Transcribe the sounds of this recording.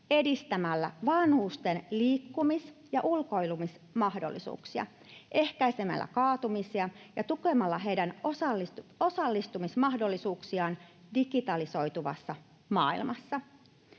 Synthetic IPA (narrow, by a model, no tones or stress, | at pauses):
e̞dist̪æmælːæʋɑnhuːst̪e̞nliːkːumisjɑʔulko̞jlumis | mɑhdo̞̰lːḭsṵːksiɑ̰ | ʔe̞hkæjse̞mæ̰lːæ̰kɑːt̪umisiɑjɑt̪ukemɑlːɑɦejdænosɑlːio̞sɑlːist̪umismɑhdo̞lːisuːksiɑːndiɡit̪ɑliso̞jt̪uʋɑ̰sːɑ | mɑːḭlmɑsːɑ